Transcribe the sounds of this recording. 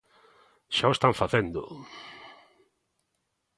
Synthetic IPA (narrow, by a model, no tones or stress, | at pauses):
ʃaoest̪aɱfaθend̪ʊ̰